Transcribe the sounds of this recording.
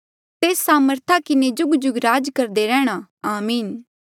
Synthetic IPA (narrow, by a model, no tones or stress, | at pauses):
t̪eːsːaːməɾt̪ʰakɪned͡ʒʊɡd͡ʒʊɡɾaːd͡ʒkɐɾd̪eɾɛːɽ̃aaːmiːn